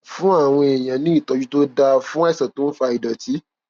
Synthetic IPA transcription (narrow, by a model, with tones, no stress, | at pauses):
fũ˦a˦˨w̃ɔ̃˧e˨j̃ã˨nĩ˦i˦˨tɔ˧d͡ʒu˦to˦da˧fũ˦ɛ˦˨sɛ˨to˦n̩˦fa˧i˨dɔ˨ti˨˦